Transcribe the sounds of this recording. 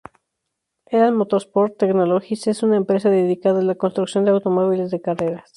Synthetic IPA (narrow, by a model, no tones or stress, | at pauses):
eɾaðmot̪o̞spoɾt̪ːekno̞loxise̞sunaempɾe̞s̬aðeðikaðalako̞nst̪ɾuksjo̞nd̪e̞awt̪o̞mo̞βile̞zðe̞kare̞ɾas